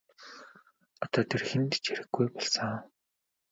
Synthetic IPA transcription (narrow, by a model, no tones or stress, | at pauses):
ɔt̪ɔːt̪ʰerxent̪t͡ɕeɾɘ̆xɡːujpɔɮsə̆ŋ